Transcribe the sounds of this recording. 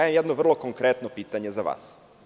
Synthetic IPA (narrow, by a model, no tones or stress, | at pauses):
ajemjɛd̪noʋr̩lˠo̞koŋkɾet̪nopiːt̪aɲe̞zaʋa̰ːs